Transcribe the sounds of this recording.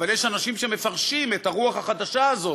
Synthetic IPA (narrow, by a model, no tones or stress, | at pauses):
valjeʃanaʃimʃeme̞faʁʃimet̪aʁuaχhaχad̪aʃaːzo̞